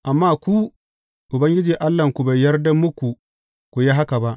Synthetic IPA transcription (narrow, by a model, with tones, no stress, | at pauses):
ʔa˨mːaː˦kʷu˦ | ʔʊ˨bɐ˦ŋɡʲɪ˦d͡ʒiː˨ʔa˦lːɐ˨ŋkʷu˨ba˨jːɐ˦rdɐ˦mːʊ˦kʷu˨ | kʷu˨ja˦ɦa˦ka˨ba˦ʔ